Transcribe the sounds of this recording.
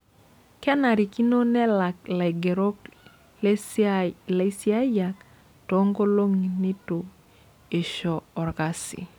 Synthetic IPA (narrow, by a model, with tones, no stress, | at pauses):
kɛ˦na˨ɾi˨ki˦no˦nɛ˦la˨k̚la˨ɡe˨ɾo˦k | le˨˦si˦a˦ja˨k | to˨˦ŋɡo˦lo˦ŋi˨ni˦to˨ | e˨ʃɔː˨ɾka˦sḭ˨